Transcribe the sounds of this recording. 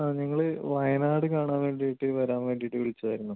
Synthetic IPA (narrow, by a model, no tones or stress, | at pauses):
aːɲiŋːɐɭɨʋɐjɐnaːɽɨkaːɳaːnʋe̞ːɳɖijiʈːɨʋɐɾaːnʋe̞ːɳɖijiʈːɨʋiɭit͡ɕːuðɐːjɾunːu